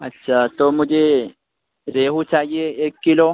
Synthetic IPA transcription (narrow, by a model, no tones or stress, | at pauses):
ətːɕʰat̪omud͡ʒe | ɾeɦut͡ʃaɦieːkːilo